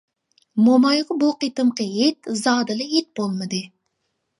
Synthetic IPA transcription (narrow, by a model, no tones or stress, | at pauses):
momɑjʁəboqijt̪ɨmqəet̪zɑːd̪ɨlˠɨet̪̚b̥olˠmɨd̪ɪ